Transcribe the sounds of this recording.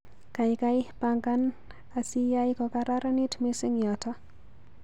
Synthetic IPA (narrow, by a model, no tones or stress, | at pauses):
kajkajpaŋɡan | asijajkɔkaɾaɾanitmɪsɪŋjata